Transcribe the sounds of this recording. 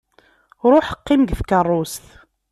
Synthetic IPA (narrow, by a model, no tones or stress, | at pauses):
ɾˤʊħə̥qːɪmɡθkərˤːʊst̪